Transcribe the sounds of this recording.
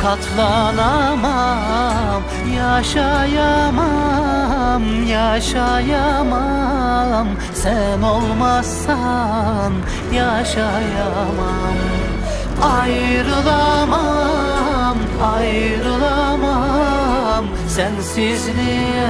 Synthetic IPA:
kʰɑt̪ʰlˠɑnama | m | jɑʃɑjama | mjɑʃɑjama | m | sænolˠmasɑ | m | jɑʃɑ | ja | ma | m | ɑjɾɯlˠama | m | ɑj | ɾɯlˠama | m | sænsɪznɪ

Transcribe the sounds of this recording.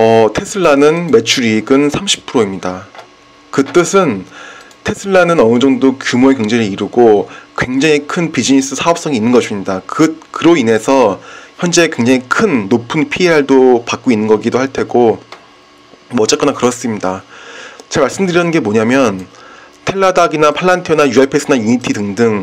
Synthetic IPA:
ʌtʰe̞sʰɯɭːanɯnme̞t͡ɕʰuɾiɡɯnsʰamɕʰi̥pʰɯɾoimɲida | kɯt͈ɯsʰɯn | tʰe̞sʰɯɭːanɯnʌnɯd͡ʑʌŋdodokjumoekjʌŋd͡ʑeɾɯiɾɯɡokwe̞ŋd͡ʑaŋikʰɯnpid͡ʑinis͈ɯsʰaʌp̚s͈ʌŋiːnːɯnŋɡʌɕʰimɲidakɯkɯɾoine̞sʰʌçjʌnd͡ʑe̞kwe̞ŋd͡ʑaŋikʰɯnːopʰɯnpʰieɦaɭdopak͈oinːɯnɡʌɡidohaɭtʰe̞ɡo | mʌt͡ɕ͈ak͈ʌnakɯɾʌs͈ɯmɲida | t͡ɕaɭmaɭs͈ɯmdɯɾjʌnɯnɡe̞moɲamjʌn | tʰe̞ɭːadaɡinapʰaɭːantʰionajuapʰes͈ʰɯnainitʰidɯŋdɯŋ

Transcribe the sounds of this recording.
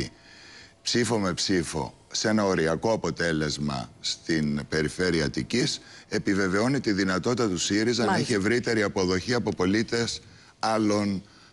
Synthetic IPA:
psifo̞me̞psifo̞̰ | se̞nɐo̞ɾiɐko̞ɐpo̞t̪e̞le̞zmɐ̰st̪inpe̞ɾife̞ɾiɐt̪icise̞pive̞ve̞o̞nit̪iðinɐt̪o̞t̪it̪ɐt̪usiɾizɐniçie̞vɾit̪e̞ɾiɐpo̞ðo̞çiɐpo̞po̞lit̪e̞s | ɐlo̞n

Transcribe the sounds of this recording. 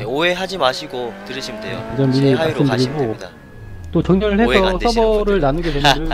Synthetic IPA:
eoe̞ɦad͡ʑimaɕʰiɡotɯɾɯɕʰimdejod͡ʑʌniɾias͈ɯmdɯɾiɡoda | t͈ot͡ɕʌŋɲʌɾɯɭheʌs͈ʰʌbʌɾɯɭnanɯɡedwemʌɲo

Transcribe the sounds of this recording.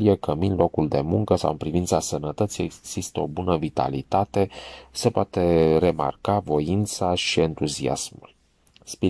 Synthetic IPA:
lijekəminlo̞kuld̪e̞muŋkəsa̰wɨnpɾivint̪sasənət̪ət̪sijeɡɡz̥ist̪əo̞bunəvit̪a̰lḭt̪at̪e̞se̞poat̪e̞re̞ma̰rkavo̞int̪saʃie̞nt̪uzia̰smul | spi

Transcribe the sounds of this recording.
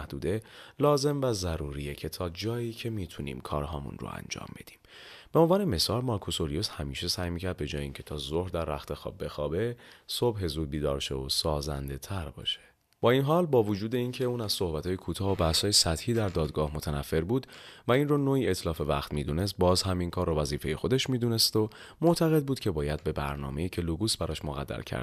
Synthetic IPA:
æhd̪uːd̪e̞lɒːze̞mvæzæɾuːɾijecʰe̞t̪ʰɒːd͡ʒɒːjiːcʰe̞miːt̪ʰunḭːmkʰɒ̰ːɾɦɒːmṵnro̰æ̰nd͡ʒɒ̰ːmbe̞d̪̥i̥ːm | b̥eonvɒːneme̞sɒːlmɒːɾkʰosoɾijoshæmiːʃe̞sæjmiːcʰæɾd̪̚be̞d͡ʒɒːjeiːŋcʰe̞t̪ʰɒːzohɾd̪æɾːæxt̪ʰe̞xɒ̰ːb̚ːe̞xɒːbe̞sobɦe̞zuːd̪̚biːd̪ɒ̰ːɾʃḛosɒːzæ̰nd̪e̞t̪ʰæɾbɒ̰ːʃe̥ | b̥ɒːinɦɒːlbɒːvod͡ʒuːd̪e̞incʰe̞uːnæz̥so̞hbæt̪ʰɒːjekʰuːt̪ʰɒːobæshɒːjesæt̪hiːd̪æɾd̪ɒːd̪ɡɒːhmo̞t̪ʰænæfːe̞ɾbuːd̪væinroːnoːiːet̪ʰlɒːfe̞væ̰χt̪miːd̪une̞s̬t̪̚bɒːzhæminkʰɒːɾːɔvæziːfe̞jexo̞d̪e̞ʃmiːd̪uːne̞st̪o | mot̪ʰæɣe̞d̪̚buːd̪̚cʰe̞bɒːjæd̪̚be̞bæ̰ɾnɒ̰ːme̞iːcʰe̞luɡuːsbæɾɒːʃmoɣæ̰d̪̥ːæ̰lcʰæ̰ɾd̪̥

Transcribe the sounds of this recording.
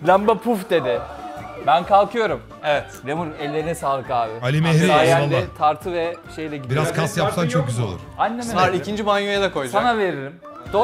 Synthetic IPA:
lʲæmbapʰufd̪e̞d̪ɪbænkʰalˠkʰɯjo̞ɾum | evɛt̪lʲemuɾɛlʲːeɾinɛsaːlˠɯkaːbɪalʲimeɾiaajaad̪at̪ʰaɾt̪ʰɯvɛʃe̞jlʲɛɟibiɾaz̥kʰasjapt̪ant͡ʃʰok̚ɟyzælolˠuɾanʲːemeaɾicʰind͡ʒibanjojad̪akʰo̞j̪sanave̞ɾilʲim | d̪̥o

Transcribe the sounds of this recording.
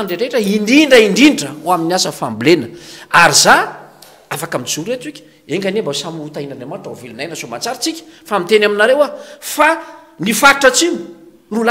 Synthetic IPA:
ɳɖ͡ʐeɾeʈ͡ʂəiɳdiɳɖ͡ʐəiɳɖ͡ʐiɳɖ͡ʐəoaminiasəfambilenəaɾiza | afakamid͡zuɾet̪ikʲə̥ | eŋɡanembasamut̪ainanamaʈ͡ʂavelunajnəzomat͡saɾit͡sikʲə̥famit̪enaminaɾewafa | nifaʈ͡ʂət͡simi̥ | rula

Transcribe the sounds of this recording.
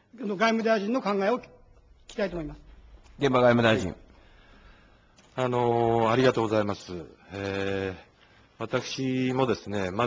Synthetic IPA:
noɡaimɯ̟d̪aiʑĩnːokãŋɡaeo | kʲi̥t̪ait̪omo̞imasɨ̥ɡẽ̞mbaɡaimɯ̟d̪aiʑḭ̃ŋ | ano̞aɾʲiɡat̪o̞ːɡo̞zaimasɨe | βat̪akɯ̟̥ɕimo̞d̪e̞sɨne̞ma

